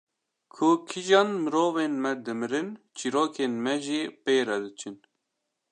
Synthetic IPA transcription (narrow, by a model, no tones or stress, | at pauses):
kʰʊkʰiʒɑːnmɨɾoːvenmɛd̪ɨmɨɾɨnt͡ʃʰiɾoːkʰenmɛʒipeːɾɛd̪ɨt͡ʃʰɨn